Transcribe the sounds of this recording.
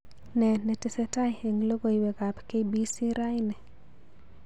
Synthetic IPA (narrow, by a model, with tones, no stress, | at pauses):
nɛ˨nɛ˨tɪ˨sɛ˦ta˦je˨ŋlo˦ɡo˦˨i˨wɛ˨ka˨pke˦bi˦si˦ɾa˦jnɛ˨